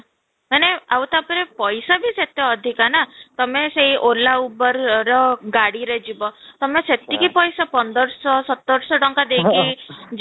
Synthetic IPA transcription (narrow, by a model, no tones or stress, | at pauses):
maneawt̪apɔɾepɔjsabʱiset̪jɔɔd̪ʱikanat̪ɔmeseɦiʔolaubɔɾɾɔɡaɽiɾed͡ʒibɔt̪ɔmeset̪ikipɔjsapɔnd̪ɔɾsɔsɔt̪ːɔɾsɔʈɔŋkad̪ekʰid͡ʒ